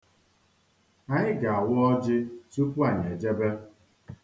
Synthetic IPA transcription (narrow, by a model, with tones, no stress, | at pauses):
a˨ɲɪ˦ɡa˨a˨wɔ˦ɔ˦d͡ʒɪ˦su˦pu˦a˨ɲ˨e˨d͡ʒe˦be˦